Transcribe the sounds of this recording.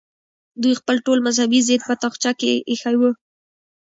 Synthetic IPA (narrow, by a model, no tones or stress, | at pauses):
d̪ujxpəlʈolmazhabized̪̚pət̪ɑxt͡ʃakeʔexajwə